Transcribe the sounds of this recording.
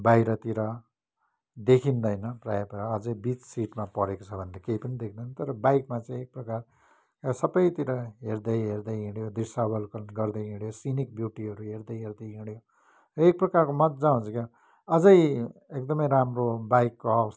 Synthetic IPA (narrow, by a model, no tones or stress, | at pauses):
bajɾʌt̪iɾʌ | d̪ekʰind̪ʌjnʌprajʌpʌɾʌːd͡zʌjbit͡ssiʈmapʌɾekot͡sʰʌbʱʌnːakeɦipʌnid̪ekʰnd̪ʌnt̪ʌɾʌbajkmat͡saĩek̚prʌkar | ksʌbʌjt̪iɾʌɦeɾd̪ʌjɦerd̪ʌjɦiɽjod̪risabʌlkʌnɡʌrd̪ʌjɦiɽjosinik̚bjuʈiɦʌɾuɦeɾd̪ʌjɦeɾd̪ʌjɦiɽjo | ek̚prʌkarkomʌt̪d͡zãũnt͡sʰʌkja | ʌd͡zʌjekd̪ʌmʌjɾamrobajkːoaws